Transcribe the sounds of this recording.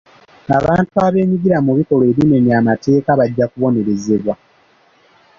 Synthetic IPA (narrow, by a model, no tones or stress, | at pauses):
aβaːntuaβe̞ːmiɡiɾamuβiko̞loe̞ːβime̞niamate̞ːkaβaɟːakuβo̞ne̞ɾe̞ze̞βwa